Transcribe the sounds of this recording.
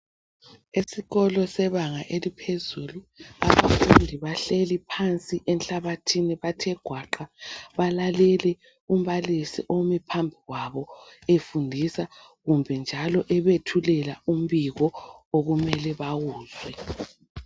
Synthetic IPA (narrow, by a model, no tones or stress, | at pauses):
esiɣɔlɔsɛβaŋaʔelipʰezulua̰βa̰fundʱiβaɬelipʰant͡sʼiʔɛnɬaβatʰiniβatʰɛɡ̥ʱwaǃaβalalɛlɛ | um̩βalisḭʔomɛpʰambʱiɣwaβɔefundʱisa | ɣumbʱɛnd͡ʒʱalɔʔɛβetʰulɛlaum̩βiɣɔoɣumɛlɛβaɣuːzwɛ